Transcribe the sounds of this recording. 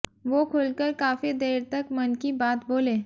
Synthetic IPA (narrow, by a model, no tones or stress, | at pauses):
ʋoːkʰʊlkəɾkaːfid̪eːɾt̪ɐkmɐnkibaːt̪boːleː